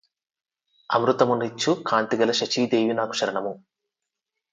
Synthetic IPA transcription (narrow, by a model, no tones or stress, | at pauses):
ɐ̰mɾut̪ɐmunːit͡ʃːukʰaːnt̪iɡɐlɐʃɐt͡ʃiːd̪eːjinaːku̥ʂɐɾɐɳɐmu